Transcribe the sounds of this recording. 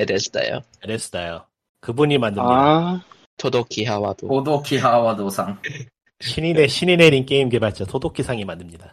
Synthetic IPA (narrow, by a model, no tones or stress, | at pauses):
edesɯ̥da̰jo̰ | ɯɾes͈ɯ̥dajo | kɯbuɲimandɯm | tʰodokʰiɦawadoodokʰiɦawadosʰaŋ | ɕʰinineɕʰinine̞ɾink͈eimke̞bat͡ɕ͈otʰodokʰisʰaŋimandɯmɲida